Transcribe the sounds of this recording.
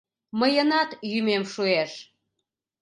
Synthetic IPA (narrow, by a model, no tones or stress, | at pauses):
məjənɑt̪jymemʃueʃ